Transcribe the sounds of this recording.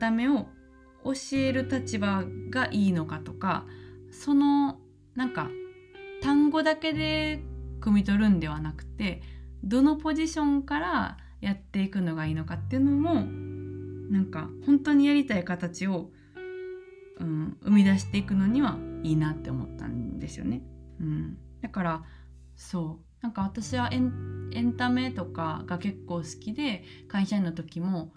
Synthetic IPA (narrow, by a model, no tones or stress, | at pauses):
t̪ame̞o̞ | oɕie̞ɾɯ̟t̪at͡ɕibaɡaʔiːno̞kat̪o̞ka̰so̞no̞ | nãŋka̰ | t̪ãŋɡo̞d̪ake̞d̪e̞kɯ̟mʲit̪o̞ɾɯ̟̃nd̪e̞β̞anakɯ̟̥t̪e̞d̪o̞no̞po̞ʑiɕõ̞ŋkaɾa | jat̪ːe̞ikɯ̟no̞ɡaiːno̞kat̪ːe̞ɯ̟no̞mo̞ | nãŋka̰hõ̞nt̪o̞ɲ̟ijaɾʲit̪aikat̪at͡ɕio̞ | ɯ̟̃ːɯ̟mʲid̪aɕi̥t̪e̞ikɯ̟no̞ɲ̟iβaiːnat̪ːe̞omo̞̰t̪ːã̰nd̪e̞sɨjo̞̰ne̞ɯ̟̃ɴd̪̥akaɾa | so̞ː | nãŋkaβ̞at̪aɕiβaʔẽnẽ̞nt̪ame̞t̪o̞ka̰ɡ̥ake̞kːo̞ːsɨ̥kʲid̪e̞ | kãɰ̃ɕanːot̪o̞kʲimo̞